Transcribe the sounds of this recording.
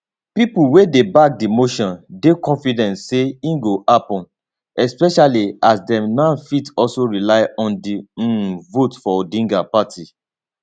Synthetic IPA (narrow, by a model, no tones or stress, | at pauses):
pipuwedebak̚dimoʃɔ̃ndekɔ̃nfidɛ̃ntseĩnɡoʔapɔ̃n | ɛspɛʃaliasdɛ̃mnãnfitɔsoɹilaɪɔ̃ndĩvotfɔdĩŋɡapatʰi